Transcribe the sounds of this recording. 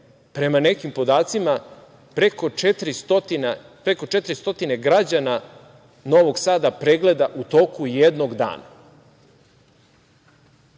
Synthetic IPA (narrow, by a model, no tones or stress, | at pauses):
pɾe̞mane̞kimpo̞d̪aːt̪sima | pɾekoet̪ɾist̪ot̪ina | pɾeko̞t͡ʃet̪ɾist̪o̞t̪ine̞ɡɾad͡ʑana | no̞ʋo̞ɡsaːd̪apɾeɡle̞d̪aʔut̪o̞ːkujed̪noɡd̪a̰ːna̰